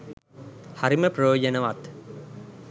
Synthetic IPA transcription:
haɾiməprɐjoːd͡ʒənəʋat̪

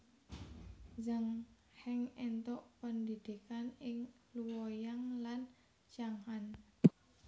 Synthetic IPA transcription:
zaŋ | hɛŋɛnt̪ɔʔpəndid̪̥ikanɪŋ | luwojaŋlan | t͡ʃaŋhan

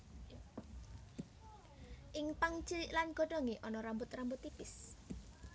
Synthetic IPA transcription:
ʔɪŋpaŋ̥d͡ʒ̥əɾɪʔlanɡ̥o̤ɖoŋeʔɔnɔɾambʊt̪rambʊt̪ːipɪs

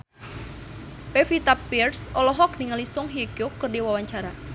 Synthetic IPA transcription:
pefit̪apːirsɔlɔɦɔk̚niŋalisʊŋɦiɡokərdiwawaɲt͡ʃaɾa

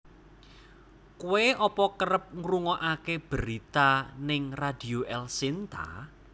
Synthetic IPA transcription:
kuweʔɔpɔkəɾəp̚ŋɾuŋɔʔakeb̥əɾit̪anɪŋrad̪̥i̤oʔɛlsint̪a̰

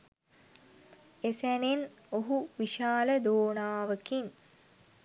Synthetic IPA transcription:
esænen | oɦuʋiʃaːləd̪oːnaːʋəkin

